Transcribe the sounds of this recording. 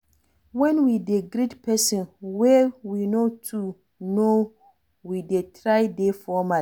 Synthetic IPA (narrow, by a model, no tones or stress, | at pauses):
wɛ̃nwideɡɾidpʰɛsɔ̃nwɛwinotʰu | no | widetʰɾajdefɔma